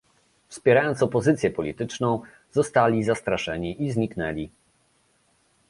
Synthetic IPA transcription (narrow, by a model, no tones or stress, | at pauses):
fspʲjɛɾajɔntsɔpɔzɘt̪sʲjɛpɔlʲit̪ɘt͡ʂnɔ̃w̃ | zɔst̪alʲizast̪ɾaʂɛɲiʔizɲiknɛlʲi